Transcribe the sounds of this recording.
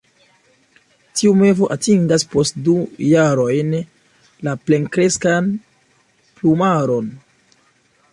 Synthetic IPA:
tiume̞vo̞ʔatiŋɡaspo̞st̚dujaɾo̞jn | laple̞ŋkɾe̞skan | plumaɾo̞n

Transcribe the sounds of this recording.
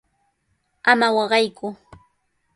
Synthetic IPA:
amawɑɢɑjkʊ

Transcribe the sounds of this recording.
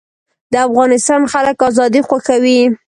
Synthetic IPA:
d̪əafɣɑnɪst̪ɑnxaləkɑzɑd̪ixwaxawi

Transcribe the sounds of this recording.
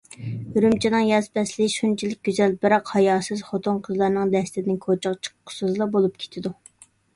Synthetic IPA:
yɾymt͡ʃʰinɨŋjɑzpɛslɪʃunt͡ʃʰilɪk̚ʲɡʲyzɛlbɪɾɑqhɑjɑːsɨzχot̪ʰunqʰəzlˠɑɾnɨŋd̪ɛst̪ɪd̪ɪnkʰot͡ʃʰɑʁt͡ʃʰə̥qqʰːʊ̥sɨzlˠɑbolˠup̚kʲʰe̥t̪ʰɪd̪u

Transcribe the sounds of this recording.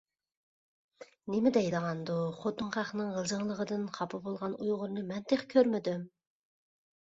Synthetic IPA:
nɪmɪd̪ɛjd̪əʁɑnd̪uχot̪ːʊŋχæχnɨŋʁəlˠzəŋlˠəʁəd̪ɨnqʰɑpʰɨbolˠʁɑnujʁʊɾnɨmɛnt̪ʰeχkʲʰøɾmɪd̪ym

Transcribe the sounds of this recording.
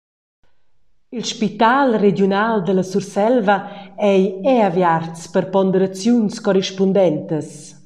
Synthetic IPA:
ilʃpit̪alredjunald̪ələsursɛlvaɛjɛavjart͡spəɾpɔnd̪əɾat͡sjunskɔriʃpund̪ɛnt̪əs

